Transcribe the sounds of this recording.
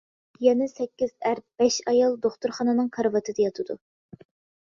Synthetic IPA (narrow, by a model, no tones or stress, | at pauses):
jɛnɪsɛkʲːiz̥æɾ̚b̥ɛʃɑjɑlˠd̪oχt̪uɾχɑnɨnɨŋqʰɑɾvɑt̪ʰɨd̪ɛjɑt̪ʰɨd̪u